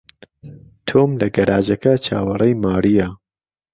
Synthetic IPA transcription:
t̪ʰoːmlɐɡɐɾʔaːd͡ʒɐkɐt͡ʃʰa̰ːwɐrˤɐjmaːɾijɐ

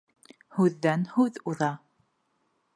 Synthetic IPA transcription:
huðːænhuððˤɑ

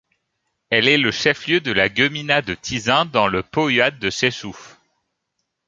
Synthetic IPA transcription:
ɛlɛləʃɛfljød̪əlaɡəminad̪ət̪ʰizɛ̃d̪ɑ̃ləpɔjad̪̚ːəsɛsuf

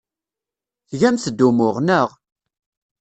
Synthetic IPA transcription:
θʝæmθəd̪ːumʊʁnəʁ

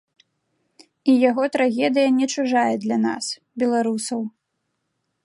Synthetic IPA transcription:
ijaɣɔt̪ɾaɣʲɛd̪ɨjɐnʲɛt͡ʂuʐajɛd̪lʲana̰s | bʲɛlˠaɾusɐw

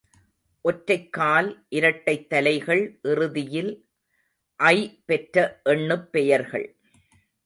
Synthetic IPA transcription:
ʔɔʈɾɐɪkːaːlʔɪɾɐʈːɐɪt̪ːɐlɐɪɣɐɭʔɪrɯðɪjɪl | ʔɐɪpɛʈɾɐʔɛɳːɯpːɛjɐɾɣɐ̰ɭ

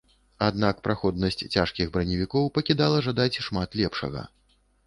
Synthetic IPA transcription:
ad̪nakpɾaxɔd̪̚nɐsʲt͡sʲt͡sʲaʂkʲiɣbɾɐnʲivʲikɔwpɐkʲid̪alˠɐʐad̪at͡sʲʂmat̪lʲɛpʂɐ̰ɣɐ̰

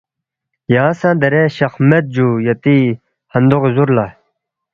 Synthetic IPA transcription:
jaːsãːd̪ɐɾeɕɐxmet̪̚d͡ʑujɐt̪i | hɐnd̪oʁezuɾla

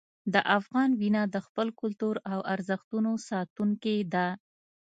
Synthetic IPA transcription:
d̪əʔafɣɑnwinɑd̪əxpəlkʊlt̪uɾawʔaɾzəxt̪unosɑt̪uŋked̪a

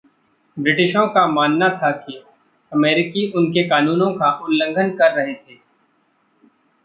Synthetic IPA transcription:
bɾɪʈɪʃõkamaːnːat̪ʰaki | ɐmɛːɾɪkiʊnkekaːnuːnõkaʔʊlːə̃ŋɡʱənkɐɾːɐɦet̪ʰeː

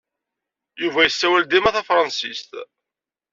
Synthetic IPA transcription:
juvæjəsːæwæld̪imæθæfɾˤɑnsist̪

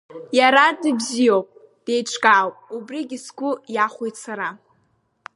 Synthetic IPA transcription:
jaɾadʼibzijowpʼ | d̥e̞jʈ͡ʂʷʰkʼaːwpʼubriɡʲiskʷʊjaχʷojt͡sʰaɾa

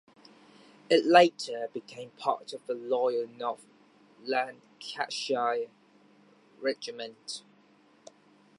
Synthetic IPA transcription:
ɪʔleɪtʰəb̥ɪkʰẽɪ̃mpʰɑ̰ˑtʰəvðəlɔɪəlˠnɔf | lãn | kʰa̰ʃaɪ | ɹɛd͡ʒɪmə̃nt

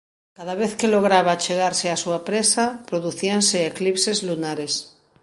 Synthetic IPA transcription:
kaðaβeθkeloɣ̞ɾaβat͡ʃeɣ̞aɾseasuapɾesapɾoðuθianseːklipsezlunaɾes

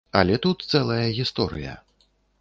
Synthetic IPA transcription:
ɐlʲɛt̪ut̪t̪sɛlˠɐjɐɣʲist̪ɔɾɨ̰jɐ̰

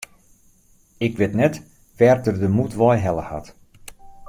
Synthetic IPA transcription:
ɪkʋɪtnɛt | ʋɛrtərdəmutʋɔjɦɛlˠə̰ha̰t

